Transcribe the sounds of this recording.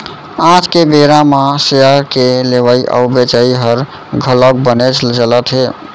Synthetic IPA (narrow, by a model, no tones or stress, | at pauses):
ãd͡ʒkebeɾamãseəɾkeleʋəiʔə̰wbet͡ʃəiɦəɾ | ɡʱələk̚bənet͡ʃʰld͡ʒələt̪ɦe